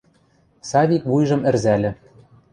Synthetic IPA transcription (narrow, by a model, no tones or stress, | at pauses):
sɑβʲikβujʒɤ̆mɘ̆rzælʲɘ̆